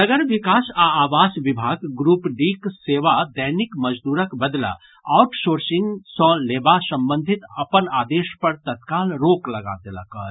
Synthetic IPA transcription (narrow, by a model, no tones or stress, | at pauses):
nɐɡəɾʋɪkaːsaaːʋaːsʋɪbʱaːɡɡɾuːpɖiːkseːʋad̪əɦnɪkmɐd͡ʒd̪uːɾəkbɐd̪la̰ | aːʊʈsoːɾsɪ̃ŋɡsɔːeːbasɐ̃mbə̃nd̪ʱɪt̪ɐpənaːd̪eːʃpɐɾt̪ɐt̪kaːlɾoːklɐɡa̰ːd̪ela̰ːkaɾ